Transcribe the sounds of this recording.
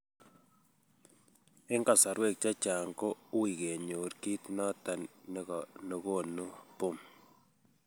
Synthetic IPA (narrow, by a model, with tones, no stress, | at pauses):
ɪ˦ŋɡa˨sa˨ɾwɛ˦˨k̚t͡ʃa˦t͡ʃa˨ŋɡo˦u˦i˨ke˨ɲo˨ɾki˦tnɔ˦ta˨nː˦ | ni˨ɣo˦˨nu˦po˦˨m